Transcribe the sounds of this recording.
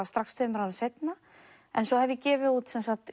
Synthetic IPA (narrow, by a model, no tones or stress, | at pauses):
ast̪ɾakst̪ʰvœːmɾawvɪsejt̪na | ɛnsɔhɛvjɪcɛːvɪut̪sɛnsakt̪